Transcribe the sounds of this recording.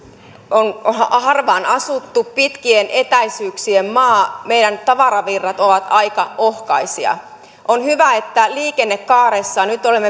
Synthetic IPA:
onoɑɑrʋɑːnɑsut̪ːuppit̪kienʔet̪æisyːksiemmɑːmeidænt̪ɑʋɑɾɑʋirːɑt̪oʋɑt̪ɑikɑʔohkɑisiɑ̰ | ʔonhyʋæet̪ːæliːkenːekːɑːɾesːɑnyt̪olemːe

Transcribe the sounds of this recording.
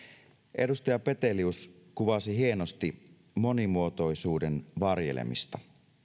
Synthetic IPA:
ʔe̞dust̪ɑjɑpe̞t̪e̞liuskuʋɑsiɦie̞nost̪i | mo̞nimuot̪o̞isuːdenʋɑrje̞̰lḛmḭst̪ɑ

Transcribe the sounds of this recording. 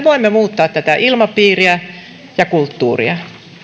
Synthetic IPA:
ʋoimːemuːt̪ːɑːt̪t̪æt̪æʔilmɑpiːriæ | jɑkult̪ːuːrḭɑ

